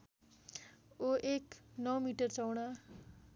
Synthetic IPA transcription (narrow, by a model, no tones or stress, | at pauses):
oʔeknʌmiʈʌrt͡sʌwɽa